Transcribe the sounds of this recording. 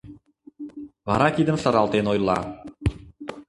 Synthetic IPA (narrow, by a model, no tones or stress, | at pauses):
βɑ̰ɾɑkid̪əmʃə̆ɾɑlˠt̪enojlˠːɑ̰